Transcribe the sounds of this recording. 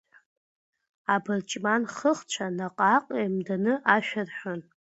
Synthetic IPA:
abɨrt͡ʃʼmanχəχt͡ɕʷʰanaqʼaqʼemdanɨʔaʃᶣarħʷᶣʊn

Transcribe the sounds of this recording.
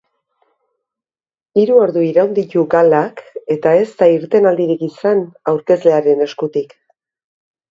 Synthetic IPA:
iɾuoɾðuiɾawnd̪it̪uɡalake̞t̪ae̞st̪aiɾt̪e̞nald̪iɾikisanawɾke̞zle̞aɾe̞ne̞skut̪ik

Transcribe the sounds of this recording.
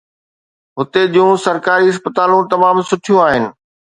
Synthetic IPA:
ɦʊt̪ed͡ʑjũsɐɾkaːɾiɐspət̪aːlũt̪ɐmaːmsʊʈʰijũaːɦɪnɪ̆

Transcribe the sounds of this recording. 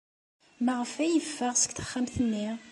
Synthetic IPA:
məʁəfæjəfːəʁsə̥kθə̥χːamθənːi

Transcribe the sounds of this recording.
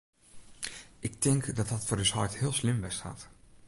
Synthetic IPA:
ʔɪk̚tɪŋkdɔtɔtfoːɾyshɔjthɪəlˠslɪmʋɛsta̰ːt

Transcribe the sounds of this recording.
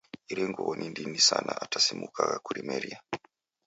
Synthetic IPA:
iɾeŋɡuwonʔindinisanaatʰasimukakakuɾimeɾia

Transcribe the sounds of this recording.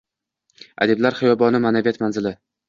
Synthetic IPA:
a̰d̪eblaɾχɪjɒbɒnɪmanavijat̪manzɪlɪ

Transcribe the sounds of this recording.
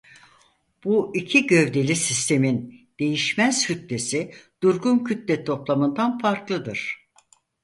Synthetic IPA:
b̥uicʰiɟø̞vd̪e̞lʲisist̪ʰe̞mind̪̥e̞jiʃmæz̥hyt̪lʲe̞sid̪̥uɾɡuncʰyt̪lʲɛt̪ʰo̞plˠamɯnd̪anfaɾklˠɯd̪ɯɾ̥

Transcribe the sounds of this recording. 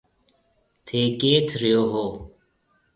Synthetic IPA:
t̪ʰeːkeːt̪ʰɾijoːɦoː

